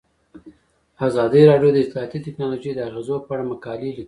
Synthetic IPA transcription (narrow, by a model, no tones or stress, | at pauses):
azɑd̪iɾɑɖjod̪əɪst̪lɑjat̪itɪknɑloʒejd̪əaɣezopəaɽaməkɑlili